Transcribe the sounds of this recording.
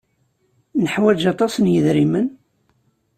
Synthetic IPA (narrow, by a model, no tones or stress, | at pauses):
nəħwæd͡ʒɑt̪ˤɑsənjəðɾimən